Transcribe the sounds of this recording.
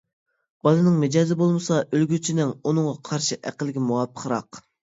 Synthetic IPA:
b̥ɑlˠɨnɨŋmɪd͡ʒɑːzɪbolˠmɨsɑølɡʲyt͡ʃʰinɪŋunɨŋʁɑqʰɑɾʃiʔæ̰qəlˠɪɡʲimuwɑpʰːə̥qʰəɾɑ̰q

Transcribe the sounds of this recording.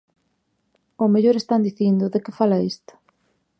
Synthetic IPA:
omeʎoɾest̪and̪iθind̪ʊðekɪfalaist̪ʊ̥

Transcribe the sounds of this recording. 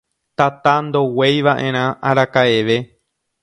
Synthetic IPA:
t̪at̪and̪o̞we̞jʋaʔẽ̞ɾ̃ãaɾakaeʋe

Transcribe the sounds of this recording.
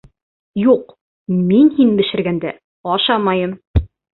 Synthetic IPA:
juq | minhinbɘ̆ʃɘ̆ɾɡænd̪æ | ɒʃɑmɑjɤm

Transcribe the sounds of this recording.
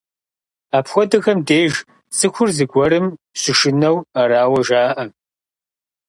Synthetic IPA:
aːpxʷɔdɨxɐmdeːʒ | sɨxʷʊrzɨɡʷɔɾɨm | ɕɪʃɪnɐwaɾaːwɐʒaːʔɐ

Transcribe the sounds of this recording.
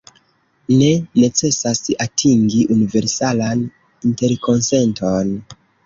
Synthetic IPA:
ne̞ne̞t͡se̞sasatʰiŋɡiʔunive̞ɾsalan | inte̞ɾko̞nse̞nto̞n

